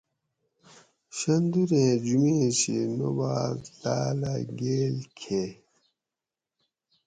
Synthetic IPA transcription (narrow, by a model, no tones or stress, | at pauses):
ɕɐnd̪uɾẽd͡ʑumeɕinobadaːlaɡelkʰe